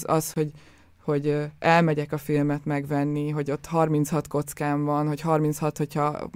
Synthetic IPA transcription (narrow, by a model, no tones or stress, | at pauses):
zɒ̰sho̞ɟ | ho̞ɟɛlmɛɟɛkɒfilmɛt̪mɛɡvɛnːiɦo̞ɟo̞t̪ːhɒrmint̪shɒt̪ko̞t̪skaːɱvɒnho̞cɦɒrmint̪shɒt̪ho̞chɒ